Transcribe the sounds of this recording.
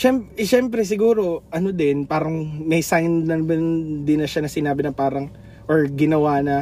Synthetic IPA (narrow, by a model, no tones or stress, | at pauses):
ʃɛmpʃɛmpɾɛs̬ɪɡuːɾo̞ʔɐnod̪ɛnpaːɾɐŋmɐjsajnnɐbɐnd̪ɪnːɐʃanɐsɪnaːbɪnɐŋpaːɾɐŋ | ʔoɹɡɪnɐwanɐ